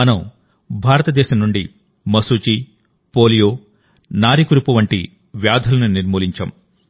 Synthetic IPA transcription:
ɐnɐm | bʱaːɾɐt̪ɐd̪ɛːʃɐmnuɳɖi | mɐsuːt͡ʃi | poːlijoː | naːɾikuɾipuʋɐɳʈḭ | ʋjaːd̪ʱɐlɐnuniɾmuːliɲt͡ʃɐ̰m

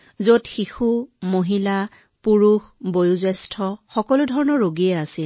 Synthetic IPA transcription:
zotxixumoɦila | puɹuxbojuzɛstʰɔxɔkɔlʊdʱɔɹɔnɔɹɹoɡiɛasil

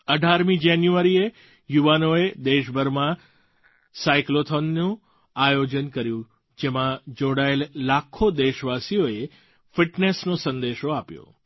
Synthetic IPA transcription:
əɖʱaɾmĩd͡ʒanjuʋaɾie | juʋanoed̪eʃbʱəɾmã | saiklot̪ʰonːũ | ajod͡ʒənkəɾjũ | d͡ʒemãd͡ʒoɽaelːakʰːod̪eʃʋasijoe | fɪʈnesnosə̃nd̪eʃoapjo̰

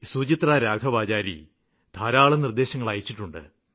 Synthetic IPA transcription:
suːt͡ɕit̪raːɾaːkʰɐʋaːd͡ʑaːɾḭ | d̪ʱaːɾaːɭɐnird̪e̞ːɕɐŋːɐɭaːjit͡ɕːiʈːuɳɖɨ̰

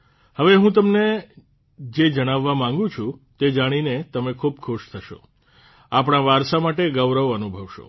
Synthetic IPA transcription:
həʋeɦũt̪əmne | d͡ʒed͡ʒəɽ̃aʋːamãŋɡũt͡ʃʰũt̪ed͡ʒaɽ̃inet̪əmekʰub̚kʰuʃt̪ʰəʃo̰ | apɽ̃aʋaɾsamaʈeɡəʋɾəʋənubʱəʋʃo̰

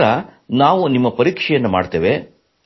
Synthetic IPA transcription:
ɾɐnaːʋunimːɐpɐɾiːkʂɛjɐnːɐma̰ːɖt̪eːʋe

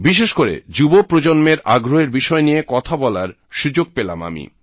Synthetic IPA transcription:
biʃeʃkoɾḛd͡ʑubopɾod͡ʑonmeɾaɡɾoɦeɾbiʃɔenijekɔt̪ʰabɔlaɾ | ʃud͡ʑoɡ̚pela̰ma̰mḭ

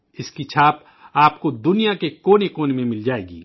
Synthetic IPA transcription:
ɪskit͡ʃʰaːp | aːpkod̪ʊnijakekoːnekoːnmẽmɪld͡ʒaːeːɡḭː

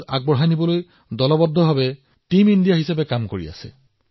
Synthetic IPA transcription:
aɡ̚bɔɹɦajnibɔloj | dɔlɔbɔdʱːɔbʱabɛ | timindijaɦisapɛkamkoɹḭa̰sɛ̰

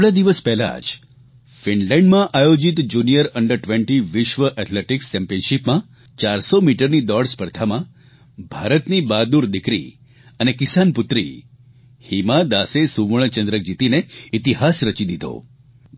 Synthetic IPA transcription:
ɭad̪iʋəspɛɦla̰d͡ʒ | fiɳlɛ̃ɳɖmãʔajod͡ʒit̪d͡ʒunijəɾəɳɖəɾʈʋẽɳʈiʋɪʃʋəʔɛʈ̪ʰleʈikst͡ʃɛ̃mpijənʃipmã | t͡ʃaɾsomiʈəɾnid̪ɔɽspəɾd̪ʱamã | bʱaɾət̪nibad̪uɾd̪ikɾḭ | ənekɪsanpʊt̪ɾḭ | himad̪asesuʋəɭ̃ət͡ʃə̃nd̪ɾək̚d͡ʒit̪ineit̪iɦasɾət͡ʃid̪id̪o̰

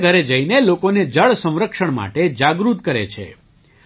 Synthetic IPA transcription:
ɡʱəɾed͡ʒəinelokoned͡ʒəɭsə̃wɾəkʃəɳma̰ʈed͡ʒaɡɾut̪̚kəɾḛt͡ʃʰḛ

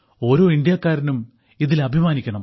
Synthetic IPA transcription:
o̞ːɾo̞ːind̪ijɐkːaːɾinum | iðilɐbʱimaːnikʲːɐɳɐm

